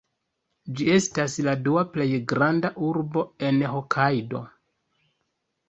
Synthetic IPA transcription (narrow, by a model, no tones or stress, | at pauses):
d͡ʒie̞stasladuaple̞jɡɾandaʔuɾbo̞e̞nɦokʰajdo̞̰